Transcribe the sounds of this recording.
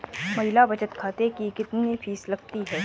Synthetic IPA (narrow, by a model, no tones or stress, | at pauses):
mɐɦɪlabɐt͡ʃət̪kʰaːt̪ekikɪt̪niifʰiːslɐɡt̪iɦɛː